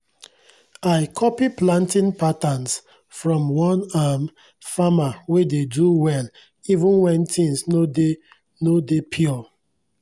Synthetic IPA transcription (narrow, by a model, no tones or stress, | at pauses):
aɪkʰɔpiplãntĩnpatans | fɹɔ̃mwɔ̃nam | famawededuwɛl | ivũnwɛ̃ntʰĩnsnode | nodepʰjɔ